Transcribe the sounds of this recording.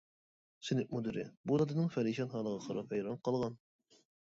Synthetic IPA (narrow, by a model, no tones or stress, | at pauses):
sɪnɪk̚mud̪ɪɾɪ̰bud̪ɑd̪ɨnɨŋfɛɾiʃɑnɦɑːlˠəʁɑqʰɑɾɑphɛjɾɑnqɑlˠʁɑn